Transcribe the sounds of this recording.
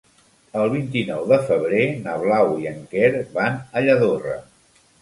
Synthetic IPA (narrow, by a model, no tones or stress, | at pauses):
əlˠβint̪inɔwðəfəβ̞ɾenəβlawiəŋkɛɾβanəʎəðorə̰